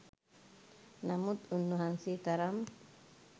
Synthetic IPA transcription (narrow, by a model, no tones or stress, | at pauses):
namut̪unːuɦansit̪aɾam